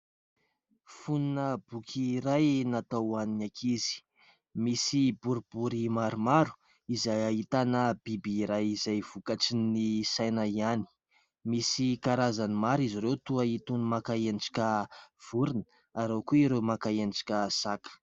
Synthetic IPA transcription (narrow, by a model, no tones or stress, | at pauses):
fununəbukʲʰiɾajnat̪awaninakʰizi̥ | misibuɾibuɾimaɾumaɾu̥ | izajaɦit̪anəb̥ibiːɾajizajv̥ukaʈ͡ʂinisajnaiani̥ | misikaɾazanimaɾiziɾewt̪uait̪unimakaenɖ͡ʐḁkʲəv̥uɾinə | aɾewkuiɾemakaend͡ʒḁkʲəsakə̥